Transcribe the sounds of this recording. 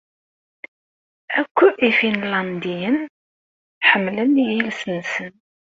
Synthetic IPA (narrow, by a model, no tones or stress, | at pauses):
ækʷːuʔifinlɑnd̪ijən | ħəmːlənjilsənsən